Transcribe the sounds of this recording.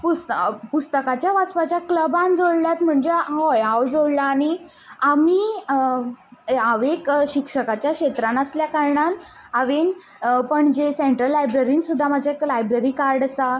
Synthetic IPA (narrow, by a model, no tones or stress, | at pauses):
pust̪pust̪əkat͡ɕjaʋat͡spat͡ɕjakləbãnd͡zoɽljat̪m̤əɳd͡zeɦojawd͡zoɽlaːɽ̃i | amiː | aʋekɕikʂəkat͡ɕjakɕet̪ɾanəsljakaɾɳan | aʋen | pəɳd͡ʑeseɳʈɾəlːajbɾeɾiːnsud̪ʱːamad͡ʑʱjaklajbɾeɾiːkaɾɖəsa